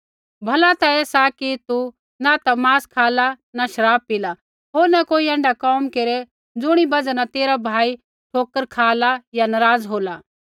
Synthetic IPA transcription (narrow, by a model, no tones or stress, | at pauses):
bʱɐlat̪aɛːsakit̪u | nat̪amaːskʰaːla | naʃɐɾaːb̚pila | ɦoːɾnakoːiɛ̃ːɳɖakɔːmkeːɾe | d͡zʊɽ̃ibɐd͡zanat̪eːɾabʱaːi | ʈʰoːkəɾkʰaːlajanɐɾaːd͡zɦoːla